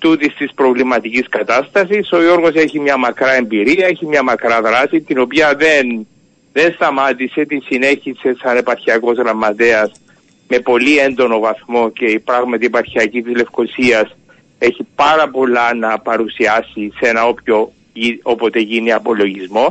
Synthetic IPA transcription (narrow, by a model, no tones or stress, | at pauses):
t̪ut̪ist̪ispɾo̞vlimɐt̪iciskɐt̪ɐst̪ɐsiso̞jo̞ɾɣo̞se̞çimɲɐmɐkɾɐe̞mbiɾiɐeçimɲɐmɐkɾɐðɾasit̪ino̞piɐðe̞n | ðe̞nst̪ɐmat̪ise̞t̪isine̞çise̞sɐne̞pɐɾçiɐko̞zɣɾɐmːɐt̪e̞ɐs | me̞po̞liend̪o̞no̞vɐθmo̞ce̞ipɾɐɣmɐt̪iepɐɾçiɐcit̪izle̞fko̞siɐs | e̞çipɐɾɐpo̞lːɐnɐpɐɾusiɐsisenɐopço̞ | iopot̪e̞ʝiniɐpo̞lo̞ʝizmo̞